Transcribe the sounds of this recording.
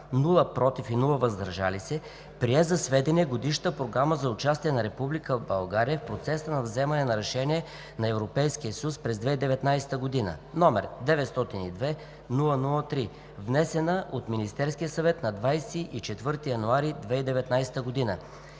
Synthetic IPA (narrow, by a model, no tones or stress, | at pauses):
nulˠəpɾɔt̪ifinulˠəvəzd̪ɾəʒa̰lisɛ | pɾiɛzɐsvɛd̪ɛniɛɡod̪iʃt̪əpɾoɡɾaməzɐʊt͡ʃast̪iɛnɐɾɛpublikəbɐlˠɡaɾijəfpɾot̪sɛsənɐvzɛmɐnɛnɐɾɛʃɛnʲiɛ | nɐɛvɾopɛjskiəsjuspɾɛzd̪vɛid̪ɛvɛt̪najsɛ̥t̪əɡod̪inə̰nɔmɛ̰ɾd̪ɛvɛt̪st̪ɔt̪inid̪vɛ | nulˠənulˠət̪ɾi | vnɛsɛnəʔot̪minist̪ɛɾskijəsɐvɛt̪nɐd̪vajsiʔit͡ʃɛt̪vɤɾt̪ijɐnuaɾid̪vɛid̪ɛvɛt̪najsɛ̥t̪əɡod̪inə